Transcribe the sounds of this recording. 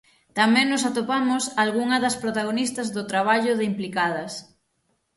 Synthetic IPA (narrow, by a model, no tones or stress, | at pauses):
t̪amɛ̃ŋnʊs̬at̪opamʊsalɣuŋɐðɐspɾot̪aɣ̞onist̪ɐzðʊt̪ɾaβ̞aʎʊðeimplikað̞ɐs